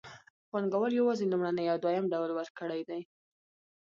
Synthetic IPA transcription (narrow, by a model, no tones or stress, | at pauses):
xwaŋɡawəljawɑzelumɽanəjawd̪wajamɖawlwəɾkəɽajd̪aj